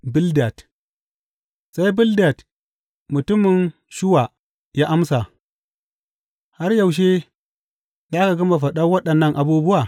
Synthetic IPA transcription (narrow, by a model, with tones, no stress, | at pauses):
bɪ˦lda˨t | sa˦jbɪ˦lda˨t | mʊ˨tʊ˦mɪ˨n | ʃɪ˦wa˨ | ja˦ʔa˦msa˨ | ha˦ɾja˨wʃ̬e˦ | zaː˦ka˨ɡɐ˦ma˨ɸ̬ɐ˨ɗa˦wɐ˦ɗɐ˨nːɐ˦ŋʔa˨buː˦bʊ˦wa˨